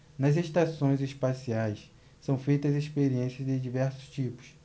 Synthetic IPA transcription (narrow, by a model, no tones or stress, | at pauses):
nɐzeʃt̪asõj̃zespasiajs | sɐ̃w̃fejt̪ɐzespeɾiẽsiɐzd̪ɪd͡ʒivɛɾsʊ̥st͡ʃipʊ̥s